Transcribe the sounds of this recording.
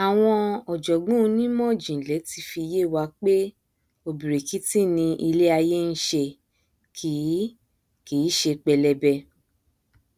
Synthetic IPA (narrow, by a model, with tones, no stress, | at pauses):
a˨w̃ɔ̃˧ɔ˨d͡ʒɔ˨ɡ͡bũ˦˧˦nĩ˦mɔ̃˦˨d͡ʒĩ˨lɛ˨˦ti˧fi˧je˦˨wa˧k͡pe˦ | o˧bi˨ɾe˨ki˦tĩ˦˨nĩ˧ʔi˧le˦a˧je˦n̩˦ʃe˧˨ | kʰi˨˦ | kiː˨˦ʃe˧k͡pɛ˧lɛ˧bɛ˧